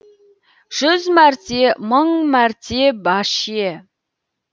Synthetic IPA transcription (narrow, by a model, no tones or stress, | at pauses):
ʒ̥ʏzmæɾt̪eməɴmæɾt̪ʰe̞bɑʃije